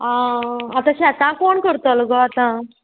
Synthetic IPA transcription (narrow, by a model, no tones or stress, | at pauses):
ãːt̪ãɕeat̪ãkoɳkəɾt̪aləɡɔat̪ã